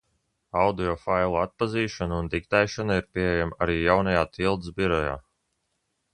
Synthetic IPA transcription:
awd̪iɔfajlˠuat̪̚paziːʃɔnuund̪ikt̪ɛjʃanaiɾpʲiɛjamaɾiːjawnajaːt̪ʰilˠd̪zbiɾɔja̰ː

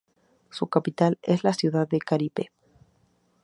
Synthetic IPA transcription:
sukapit̪alezlasjuðaðːekalipe

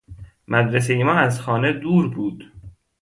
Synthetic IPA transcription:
mæd̪ɾes̬eimɒːæzxɒːne̞d̪uːɾbuːd̪̥

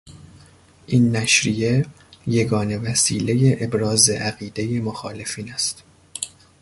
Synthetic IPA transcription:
ʔiːnːæʃɾije̞ | je̞ɡɒːne̞væsiːle̞je̞ʔebɾɒːze̞ʔæɣiːd̪e̞je̞moxɒːle̞fiːnæst̪

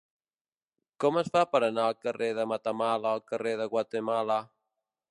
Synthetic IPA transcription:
kɔməsfapəɾənaəlˠkəreðəmət̪əmaləːlˠkəreðəɣwat̪əmalə

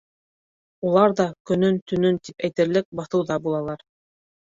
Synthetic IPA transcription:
ulˠɑɾðɑkɵ̆nɵnt̪ɵ̆nɵnt̪ipæjt̪ɘ̆ɾlɘk̚bɑθɤwðɑbulˠɑlˠɑɾ

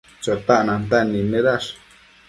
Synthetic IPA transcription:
t͡ʃot̪aʔnãnd̪aʔnĩmẽðaʂ

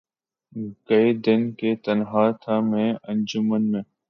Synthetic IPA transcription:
kəid̪ɪnkeːt̪ənɦaːt̪ʰaːmẽːə̃nd͡ʒʊmənmẽː

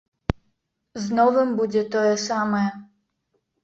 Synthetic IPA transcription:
znɔvɨmbud͡zʲɛt̪ɔjɛsɑmɛ

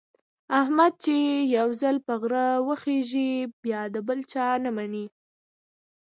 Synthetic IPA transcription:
ahmad̪̚t͡ʃejawzalpəɣɾəwəxeʒibjɑd̪əbəlt͡ʃɑnamani

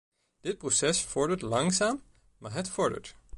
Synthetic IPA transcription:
d̥ɪt̚prosɛsfɔɹdəɹtlɑŋsaːm | maːɹɦətfɔɹdə̰ɹt

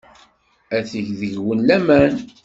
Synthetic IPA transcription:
æθəʝðəʝwənlæmæn

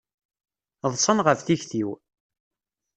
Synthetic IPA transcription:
ðˤsˤənʁəfθiçθiw

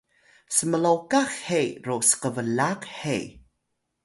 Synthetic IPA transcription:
səməlowkaxhejɾosə̥qəvəlaqhej

